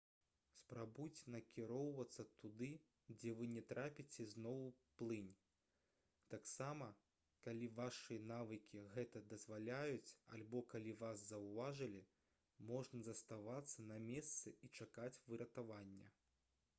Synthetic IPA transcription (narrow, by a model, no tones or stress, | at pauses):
spɾabujt͡sʲnɐkʲiɾɔwvɐt̪sːɐt̪ud̪ɨ | d͡zʲɛvɨnʲɛt̪ɾapʲit͡sʲɛznɔwplˠɨnʲ | t̪aksamɐ | kalʲivaʂɨjɐnavɨkʲiɣɛt̪ɐd̪ɐzvalʲajut͡sʲa̰lʲbɔkalʲivaszɐwvaʐɨlʲi | mɔʐnɐzɐst̪avat̪sːɐnɐmʲɛst̪sɨit͡ʂakat͡sʲvɨɾɐt̪avanʲːɐ̰